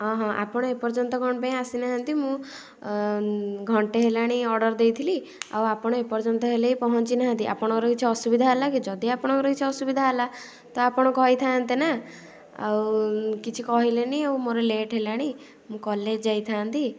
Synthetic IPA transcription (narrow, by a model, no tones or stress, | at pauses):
ɦɔ̃ɦɔ̃ʔa̰pɔɽ̃ɔepɔɾt͡ʃɔnt̪ɔɡʱɔɽ̃paĩasinaɦant̪imũ | ɡʱɔɳʈeɦelaɽ̃iɔɾɖɔɾd̪ejt̪ʰili | a̰wapɔɽ̃ɔepɔɾt͡ʃɔnt̪ɔɦeleipɔɦɔnt͡ʃinaɦãnt̪ia̰pɔɽ̃ɔkɔɾɔkit͡ʃʰiɔsubid̪ʱaɦalakid͡ʒɔd̪iapɔɽ̃ɔkɔɾɔkit͡ʃʰiɔsubid̪ʱaɦela | t̪ɔapɔɽ̃ɔkɔɦit̪ʰaːnt̪ena | a̰wkit͡ʃʰikɔɦileniawmoɾeleʈɦelaɽ̃i | mũkɔled͡ʒd͡ʒajt̪ʰaːnt̪i